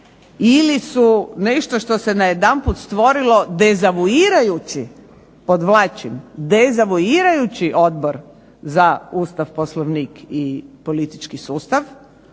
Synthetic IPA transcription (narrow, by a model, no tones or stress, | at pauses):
ilisuneʃt̪o̞ʃt̪o̞se̞najed̪anput̪st̪ʋo̞ɾilo̞d̪ezaʋuiɾajut͡ɕi | pod̪ʋlaːt͡ʃimd̪ezaʋuiɾajut͡ɕiʔo̞d̪̚boɾ | zauːst̪aʋposloʋniːkipolit̪i̥t͡ʃkisuːst̪aʋ